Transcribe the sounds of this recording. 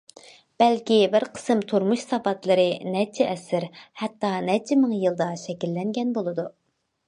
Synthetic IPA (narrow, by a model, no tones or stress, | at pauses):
b̥ɛlkʲibɪɾqʰə̥sɨmt̪ʰuɾmuʃsɑvɑt̪lˠɨɾɨnɛt͡ʃʰɛʔɛsɪɾhɛt̪ːɑnɛt͡ʃʰɪmɨŋjɨlˠd̪ɑʃɛkʲilːɛŋɡʲɛnbolˠɨd̪u